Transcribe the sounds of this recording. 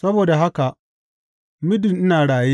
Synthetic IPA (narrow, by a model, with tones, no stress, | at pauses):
sɐ˦boː˨da˨ɦa˦ka˨ | mɪ˦dɪ˨nʔɪ˦naː˨ɽaː˨ji˦